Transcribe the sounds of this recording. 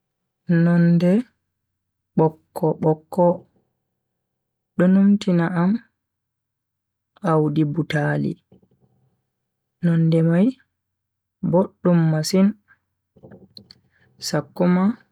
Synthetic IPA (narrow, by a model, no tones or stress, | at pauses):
nɔndɛ | ɓɔkʰːɔɓɔkːɔ | ɗɔnumtinaʔam | ʔawdibutaːlḭ | nɔndɛmaj | boɗːumːasin | sakːuma